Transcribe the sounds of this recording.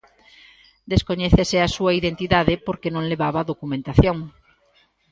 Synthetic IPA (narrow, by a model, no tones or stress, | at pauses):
d̪eskoɲɛθeseasuaiðent̪iðaðepoɾkenõŋleβaβaðokumẽnt̪aθjõŋ